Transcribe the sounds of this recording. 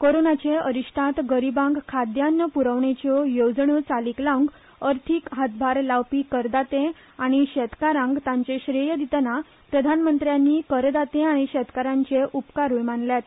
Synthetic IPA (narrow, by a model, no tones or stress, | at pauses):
koɾonat͡ɕeəɾiɕʈʰat̪ɡəɾibãŋɡkʰad̪janːəpuɾəʋɳet͡ɕɔjod͡zɳut͡saliklauŋɡ | əɾt̪ʰiːkɦat̪̚bʱaɾlaʋpiːkəɾd̪at̪ẽ | aɽ̃iɕɛt̪kaɾãŋɡt̪ãɲt͡seɕɾijəd̪it̪na | pɾəd̪ʱanmənt̪ɾjanːiːkəɾd̪at̪ẽaɽ̃iɕɛt̪kaɾãɲt͡ɕeʔupkaɾujmanljat̪